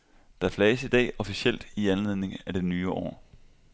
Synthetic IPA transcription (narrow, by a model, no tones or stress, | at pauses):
d̥ɑ̈æɐflɛːɪsid̥ɛ̰ːɒ̽fiɕel̰d̥iænle̝ð̞̰ˠne̝ŋæd̥e̝nyːɒ̰ː